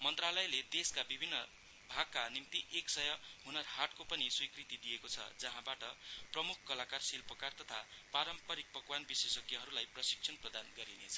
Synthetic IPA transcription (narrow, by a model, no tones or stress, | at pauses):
mʌnt̪ralʌjled̪eskabibʱinːʌ | bʱaɡ̚kanimt̪iʔeksʌjʌɦunʌrhaʈkopʌniswikrit̪id̪ijekot͡sʰʌ̰d͡zʌɦãbaʈʌprʌmukʰkʌlakarsilpʌkart̪ʌt̪ʰapaɾʌmpʌɾik̚pʌkwanbiswesʌkjʌɦʌɾulajprʌsi̥ksʰʌnprʌd̪anɡʌɾinet͡sʰʌ̥